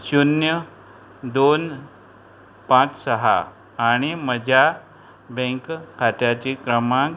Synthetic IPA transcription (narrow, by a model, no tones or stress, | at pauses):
sunjə | d̪on | pãt͡ssəɦa̰ː | ɽ̃iməd͡ʑʱja | bẽŋkkʰːat̪jat͡ɕikɾəmãk